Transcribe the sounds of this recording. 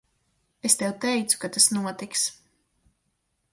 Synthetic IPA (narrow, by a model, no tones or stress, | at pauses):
est̪ɛwt̪ɛjt̪su̥kat̪asnuɔt̪iks